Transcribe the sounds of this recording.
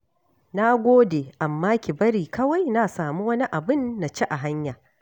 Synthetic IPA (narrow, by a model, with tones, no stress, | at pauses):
na˦ɡʷoː˦deː˨ʔa˨mːaː˦kʲi˨bɐ˦ɾiː˨kɐ˦wa˦jna˦saː˨mu˦wɐ˦ni˦ʔa˨bɪ˦nːa˨t͡ʃe˦ʔa˨ɦa˦ɲjaː˨